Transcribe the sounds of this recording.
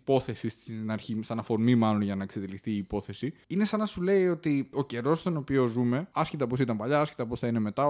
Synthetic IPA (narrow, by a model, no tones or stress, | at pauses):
po̞θe̞sist̪nɐɾçisɐnɐfo̞ɾmimɐlo̞nʝɐnɐkset̪elixθiːpo̞θe̞siine̞sɐnɐsule̞io̞t̪io̞ce̞ɾo̞st̪ono̞pio̞zume̞ɐscit̪ɐpos̬it̪ɐmpɐʎɐɐsci̥t̪ɐpo̞sθɐine̞me̞t̪ɐ